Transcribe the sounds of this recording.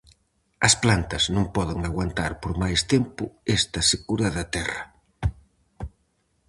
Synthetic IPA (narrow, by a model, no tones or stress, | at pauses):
ɐsplant̪ɐznõŋpɔðɪŋaɣwant̪a̰ɾpoɾmajst̪ɛmpʊɛst̪ɐseɣuɾɐðɐt̪ɛrɐ